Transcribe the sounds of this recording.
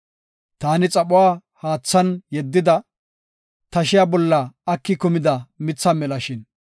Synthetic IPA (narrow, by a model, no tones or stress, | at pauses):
t̪aːnɪt͡sʼɐɓʊwaːhaːt͡sːɐnjɛd̪ːɪd̪ɐ | t̪ɐʃɪjaːbɔlːɐɐkːɪkʊmɪd̪ɐmɪt͡sːɐmɛlɐʃɪn